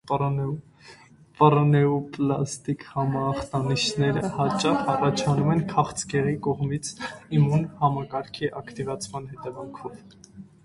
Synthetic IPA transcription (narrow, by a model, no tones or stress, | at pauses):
pɑɾɔnɛuplɑst̪ikhɑmɑːχt̪ɑniʃnɛɾəhɑt͡ʃɑχɑrɑt͡ʃʰɑnumɛnkʰɑχt͡sɡɛʁikɔʁmit͡sʰimunhɑmɑkɑɾkʰiʔɑkʰt̪ivɑt͡sʰmɑnhɛt̪ɛvɑŋkʰɔv